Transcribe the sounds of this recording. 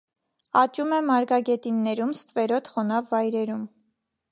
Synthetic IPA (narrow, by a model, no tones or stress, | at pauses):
ɑt͡ʃumɛmɑɾɡɑɡɛt̪inːɛɾumst̪vɛɾɔt̪χɔnɑvːɑjɾɛɾum